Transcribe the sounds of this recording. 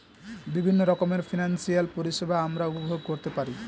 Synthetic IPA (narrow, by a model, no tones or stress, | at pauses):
bibʱinːoɾɔkomeɾfʰinansijalpoɾiʃebaamɾaupobʱoɡkoɾt̪epaɾi